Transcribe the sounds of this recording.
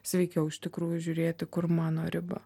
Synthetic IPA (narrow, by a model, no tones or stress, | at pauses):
sʲʋʲɛɪkʲɛʊɪʃʲt̪ʲɪkɾuːjʊʒʲʊɾʲeːt̪ʲɪkʊɾmɑːnoːɾʲɪbɐ̰